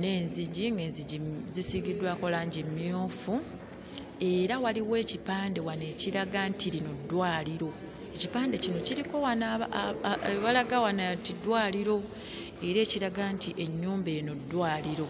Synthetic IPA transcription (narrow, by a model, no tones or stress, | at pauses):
ne̞ːnziɟiŋɡe̞ːnziɟizisiɡidwaːko̞laːɲɟemːjoːfu | e̞ɾawaliwe̞ːcipaːnde̞wane̞ːciɾaɡantiɾinodːwaːliɾo̞ | e̞cipaːnde̞cino̞ciɾiko̞wana | βalaɡawanatidwaːliɾo̞ | e̞ɾe̞ːciɾaɡantiʔe̞ɲːuːmbeːno̞dːwaːliɾo̞